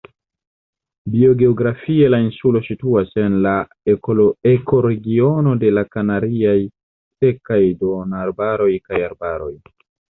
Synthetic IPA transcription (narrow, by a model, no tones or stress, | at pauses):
bio̞ɡe̞oɡɾafie̞lainsulo̞situase̞nla | eko̞ɾe̞ɡio̞no̞de̞lakanaɾiaj | se̞kajdo̞naɾbaɾo̞jkajaɾbaɾo̞j